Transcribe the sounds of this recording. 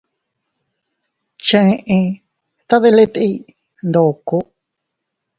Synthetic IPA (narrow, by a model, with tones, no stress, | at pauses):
t͡ʃə̃˧ʔẽ˧ | t̪a˦ðe˦˧le˦t̪i˦ | nd̪o˨ko˦